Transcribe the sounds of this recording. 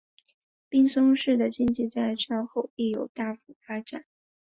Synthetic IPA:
pi˥ŋsʊ˥ŋʂɻ̩˥˩d̪ə˩t͡ɕi˥ŋt͡ɕi˥˧t͡sa˥˧ɪʂɑ˥˧ŋxo˥˧ʊpi˥˩jo˨˩ʊt̪a˥˩fu˨˩fa˥ʈ͡ʂa̰˨˩˦n

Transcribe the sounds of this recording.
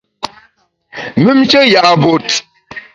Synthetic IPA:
mi˦mt͡ʃə˦ja˨bo˨t

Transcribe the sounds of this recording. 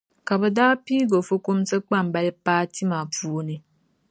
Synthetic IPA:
ka˨bə˦daː˦piː˦ɡo˨fu˦ku˦msə˦k͡pa˦˨m˨bɛ˦lpaː˦ti˦ma˨puː˦ni˨

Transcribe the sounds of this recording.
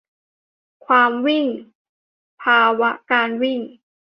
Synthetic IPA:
kʰwaː˧mwi˥˩ŋ | pʰaː˧wa˦˥kaː˧nwi˥˩ŋ

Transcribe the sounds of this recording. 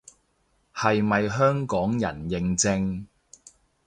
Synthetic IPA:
hɐ˨jmɐ˨jɦœː˥ŋkɔː˨˥ŋjɐ̰˨˩njɪ˨ŋt͡sɪ˧ŋ

